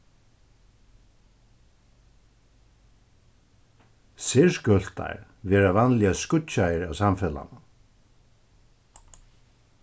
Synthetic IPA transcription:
sɪɹskœl̥t̪a̰ɹ | vɛːɾavanlɪaskʊt͡ʃːajəɹa̰wsamfɛla̰na

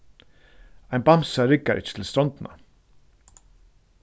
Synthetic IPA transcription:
aɪnbamsaɾɪkaʔɪ̰t͡ʃːə̥t̪ʰɪl̩st̪ɾɔnt̪na̰

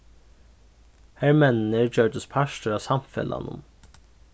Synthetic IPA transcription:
hæɹmɛnnəɹd͡ʒøːɖəspʰæʃtəɾɑːsɑmfɛ̰lɑ̰nʊ̰m

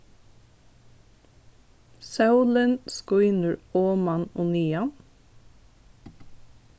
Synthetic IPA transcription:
sɑʉlənskuːɪnʉɹoːmɑnuniːɑn

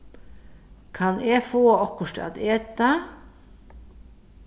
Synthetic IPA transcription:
kʰɑneːfoːɔkʊʂʈɑ̰t̪eːt̪ɑ

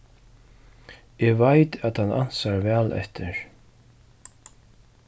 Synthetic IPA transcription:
ɛːvajt̪at̪hanʔa̰n̥saɹvɛːlʔɛ̰ht̪ʰɪɹ

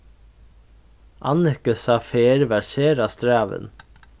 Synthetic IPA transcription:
ʔɑ̰nəkəsɑːfeːɾʋæseːɾɑst̪ɾæːʋə̰n

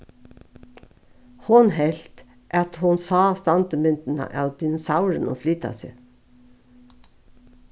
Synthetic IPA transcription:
hʊnhɛlt̪ | ʔæt̪hʊnsɑːst̪ɑnt̪əmʏnt̪n̩ɑ̰ʔɑld̪ɪnsɑʊɾəno̰ːflyːt̪ɑ̰sḛː

